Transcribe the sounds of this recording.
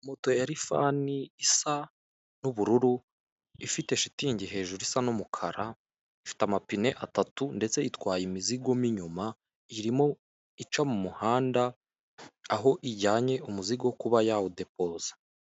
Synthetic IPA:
moto̞jaɾifa̰ːniisa | nuβuɾuɾu | ifite̞ʃi̥tiɲɟiɦe̞ːʒuɾisanumukʰaɾa | ifi̥tamapine̞ʔatatunde̞t͡se̞itwaːjimiziɡo̞miɲuma | iɾimo̞ | it͡ʃamumuhaːndaː | ɦo̞ʔiɟaːɲe̞ʔumuziɡokuβajaude̞p̚o̞ːzḁ

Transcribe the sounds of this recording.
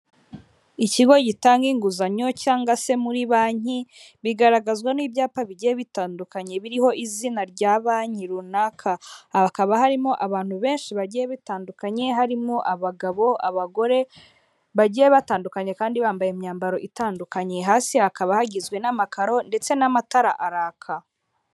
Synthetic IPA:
iciɡo̞ɟitaːŋɡiːŋɡuzaɲo̞caːŋɡase̞muɾiβaːɲi | βiɡaɾaɡazɡwaniːbjaːpaβiɟijeβitaːndukaɲe̞βiɾiho̞ʔizinaɾɟaːβaːɲiɾunakʰakaβahaɾimo̞ʔaβaːn̥huβe̞ːnʃiβaɟijeβitaːndukaɲe̞ɦaɾimoʔaβaɡaβo̞a̰βaɡo̞ɾe̞ | βaɟijeβataːndukaɲe̞kaːndiβaːmbajemɲaːmbaɾo̞ʔitaːndukaɲe̞ɦaːsihakaβahaɟizɡwe̞namakaɾo̞nde̞t͡se̞namataɾaʔaɾaːkʰa

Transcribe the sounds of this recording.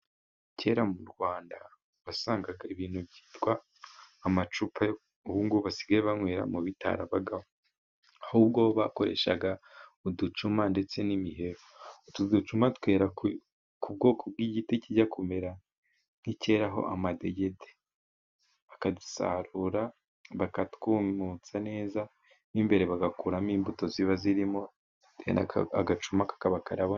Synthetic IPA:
ce̞ːɾamuɾɡwaːnda | βasaːŋɡaɡaiβiːn̥hubɟi̥ːtɡwaː | mat͡ʃupʰaj | uβuːŋɡuβasi̥ɡaeβaŋweːɾa̰muβitʰa̰ɾaβaɡawo | ahuːbɡoβakoɾe̞̰ʃaɡaudut͡ʃumande̞t͡se̞nimiɦe̞ɾotudut͡ʃumatwe̞ːɾa | kʰub̚ɡo̞ːkʰob̚ɡiːɟiteciɟakume̞ɾa | n̥ice̞ːɾaɦo̞̰ʔa̰made̞ɟe̞de | βakadusa̰ɾuɾa | βakatkumut͡sane̞ːza | nimbe̞ɾe̞βaɡakuɾamiːmbuto̞ziβaziɾimo̞ | dḛna̰aɡat͡ʃumakḁkaβakaɾaβo

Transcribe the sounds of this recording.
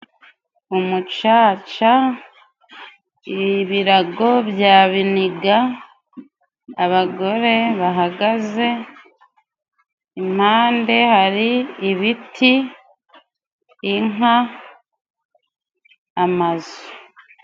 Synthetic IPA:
umut͡ʃaːt͡ʃa | iβiɾaɡo̞βjaːβiniɡa | βaɡo̞ɾe̞βaɦaɡaze̞ | im̥haːnde̞haɾiːβitʰi | ŋa | mazo

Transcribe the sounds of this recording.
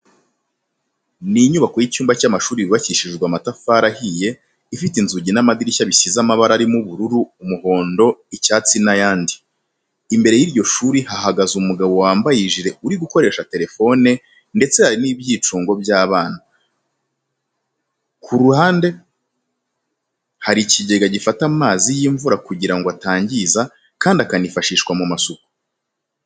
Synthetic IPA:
niɲuβako̞jicuːmbacamaʃuːɾiβiβaciʃiʒɡwamatafaːɾahije̞ | ifitinzuɟinamad̪iɾiçaβisizamaβaɾaɾimuβuɾuɾuːmuɦo̞ːndo̞icaːt͡sinajaːndiː | mbe̞ɾe̞jiɾɟo̞ʃuːɾihaɦaɡazumuɡaβo̞waːmbajiʒiɾe̞uɾiɡuko̞ɾe̞ːʃate̞ɾe̞fo̞ne̞ | nde̞t͡se̞haɾiniːbɟiːt͡ʃuːŋɡo̞bjaːβaːna | kʰuɾuhaːnde̞ | haɾiciɟe̞ɡaɟifatamaːzijiːɱvuɾakuɟiɾaŋɡoataːɲɟiza | kaːndakanifaʃiːʃkwamumasoku̥

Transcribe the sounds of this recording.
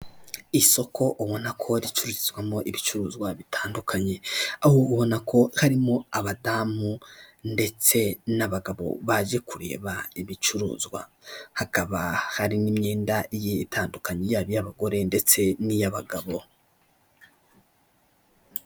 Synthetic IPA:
iso̞kʰo̞ʔuβo̞nakʰo̞ɾit͡ʃuɾuɾizɡwamo̞ʔiβit͡ʃuɾuːzɡwaβitʰaːndukʰaɲe̞ahoːβo̞nakʰo̞haɾimo̞aβadamunde̞t͡se̞naβaɡaβo̞̰βaʒe̞kuɾe̞̰ːβaiβit͡ʃuɾṵːzɡwa̰hakaβahaɾinimɲe̞ːndaijitʰaːndukaɲejaβijaβaɡo̞ɾe̞nde̞t͡se̞nijaβaɡaβo̞

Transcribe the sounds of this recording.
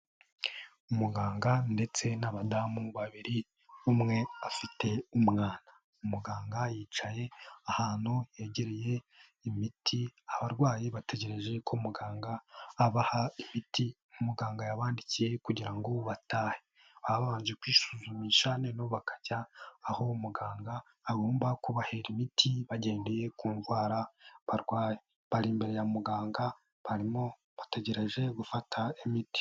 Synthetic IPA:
umuɡaːŋɡande̞t͡se̞naβadamuβaβiɾi | umŋe̞afite̞umŋaːna | umuɡaːŋɡajiːt͡ʃaje̞ahaːn̥hoje̞ːɟe̞ɾeje̞ | imitʰiaβaɾɡwaːjiβate̞ɟe̞ɾe̞ʒe̞kʰomuɡaːŋɡaːβahaimiti | umuɡaːŋɡajaβaːndicije̞kuɟiɾaŋɡo̞βataːhe̥ | βaβaːnd͡ʒekwiːsuzumiːʃanenoβakḁɟaːho̞muɡaːŋɡaː | ɡoːmbakuβaheɾimitʰiβaɟe̞ːndeje̞kuːnzwaːɾaβaɾɡwaːje | βaɾimbe̞ɾe̞jamuɡaːŋɡa | βaɾimo | βate̞ɟe̞ɾe̞ʒe̞ɡufatʰaimiti̥

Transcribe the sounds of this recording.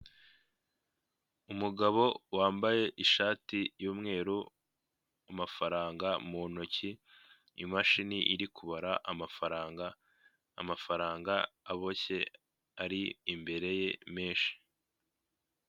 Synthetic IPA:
umuɡaβo̞waːmbaje̞ʔiʃaːtijuːmŋe̞ːɾu | amafaɾaːŋɡamunocḭː | maʃiniʔiɾikuβaɾaʔafɾaɡaː | mafaɾaːŋɡaːβo̞ce̞ | aɾiimbe̞ɾe̞je̞meːnʃi̥

